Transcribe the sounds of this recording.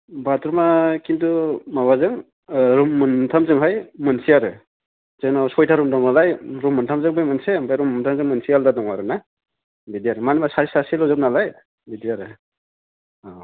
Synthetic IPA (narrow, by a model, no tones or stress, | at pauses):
batɾumakintumaβazɯŋ | ɾumːɯntʰamzɯŋɦajmɯnsijaɾɯ | zɯŋnawsɔjtʰaɾumdʰamnalajɾumːɯntʰamzɯŋbɯjmɯnsembajɾumɯntʰamzɯŋmɯnsijaldadɔŋaɾɯna | bidiaɾɯmanamasaɾisasilɔzɯp̚nalaj | bidiaɾɯ | a